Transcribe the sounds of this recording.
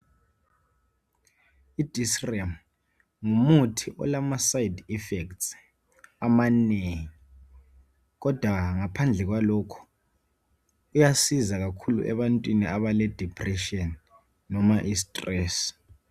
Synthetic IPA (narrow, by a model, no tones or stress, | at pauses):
id̥ʱisrɛm | ŋumutʰiʔɔ̰lamasajidifɛkts | amaneːŋii | k̬ɔd̥ʱwaŋapʰand͡ɮʱɛk̬walɔkʰɔ̥ | ujasizaɣ̬akʰulṵʔɛ̰βantʼwinḭʔaβalɛd̥ʱipʰʼrɛʃiɔni | nɔmaʔis̬tʼrɛːs